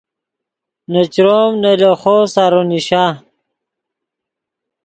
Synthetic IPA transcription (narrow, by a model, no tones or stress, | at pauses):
nɐt͡ɕɾomneloχosaɾoniɕa